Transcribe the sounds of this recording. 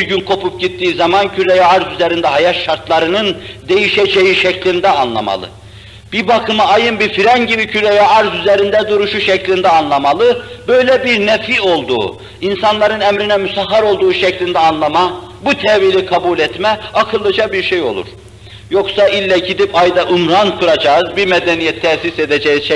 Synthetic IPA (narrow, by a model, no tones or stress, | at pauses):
biɾɟynkʰo̞pup̚ɟit̪ːiːzamancʰyɾɛjaaɾzyzɛɾind̪ɛɦajaʃaɾt̪lˠaɾɯnɯnd̪e̞jiʃɛd͡ʒejiʃɛclʲind̪ɛanlˠa̰ma̰lˠɯ̰ | b̥ibakʰɯmaːjɯnbifiɾɛnɟibicʰyɾɛjaaɾzyzɛɾind̪ɛd̪uɾuʃuʃɛclʲind̪ɛanlˠamalˠɯbøjlʲɛbiɾnɛfio̞lˠd̪ṵː | insanlˠaɾɯnɛmɾinɛmysaɦːaɾo̞lˠd̪uːʃɛclʲind̪ɛanlˠamabut̪ʰɛvilʲikʰabulʲɛt̪mɛakʰɯlˠːɯd͡ʒabiɾʃejo̞̰lˠṵɾ̥ | jo̞ksaʔilʲːɛɟid̪ipajd̪aʔumɾankʰuɾad͡ʒaːzbimed̪ɛnijɛt̪ʰːɛsised̪ɛd͡ʒɛjizʃɛ